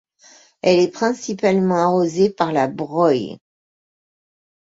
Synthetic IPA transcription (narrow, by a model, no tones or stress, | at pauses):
ɛlɛpχɛ̃sipalmɑ̃aʁozepaʁlabʁɔj